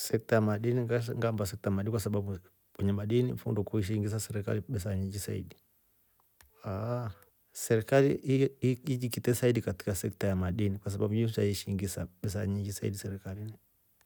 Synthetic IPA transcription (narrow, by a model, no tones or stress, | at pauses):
sɛk̚tajamaɗiniŋɡambasɛk̚tajamaɗinikwasaɓaɓu | wɛɲɛmaɗinḭfṵndɔkuiʃ̬iŋɡis̬asɛɾɛka̰liɓɛsaɲiŋɡisa̰ḭɗi | a | sɛɾikaliiid͡ʒikitɛsaiɗikati̥kasɛk̚tajamaɗinikwas̬aɓaɓujus̬uzaiʃiŋɡisaɓɛsaɲiŋɡisaḭɗisɛɾikalini